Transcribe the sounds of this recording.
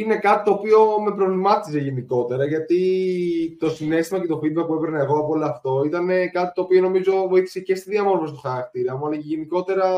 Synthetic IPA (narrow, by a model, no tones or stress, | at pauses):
ine̞kɐt̪i̥t̪o̞ːpio̞me̞pɾo̞vlimɐt̪ize̞ʝe̞niko̞t̪e̞ɾɐʝɐt̪i | t̪o̞sine̞st̪imɐce̞t̪o̞fiðbɐk̚puepɾnaɐeɣo̞ɐpooloɐft̪o̞it̪ɐne̞kɐt̪it̪o̞ːpio̞no̞mizo̞vo̞iθi̥se̞ce̞st̪iðiɐmo̞ɾvost̪oxɐɾɐk̚t̪iɾɐmɐlɐʝe̞niko̞t̪e̞ɾɐ